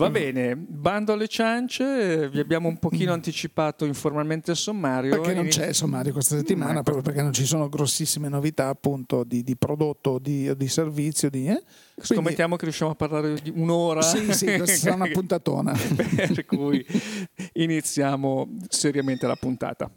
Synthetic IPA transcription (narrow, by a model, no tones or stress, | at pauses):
vabɛːneband̪oalːet͡ʃant͡ʃeviabjaːmoumpokiːnoant̪it͡ʃipaːt̪oiɱformalment̪ealsomːaːɾjopeɾkenõt͡ʃɛsomːaːɾjokwest̪aset̪ːimaːnapɾɔpɾjop̬erkenont͡ʃisoːnoɡɾosːisːimenovit̪aːpːunt̪od̪id̪ipɾod̪ot̪ːod̪id̪iservit̪sːjod̪i | sikomːet̪ːjaːmokerjuʃːjamoapːarlaːɾed̪iunoːɾasisikwessaɾaunapunt̪at̪o̰ːna̰peerkuj | init̪sːjaːmoseɾjament̪eala̰punt̪a̰ːt̪a̰